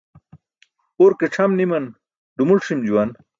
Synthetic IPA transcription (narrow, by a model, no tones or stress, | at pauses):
oɾkeʈ͡ʂʰɐmnimɐn | ɖumulʂimd͡ʑuwɐn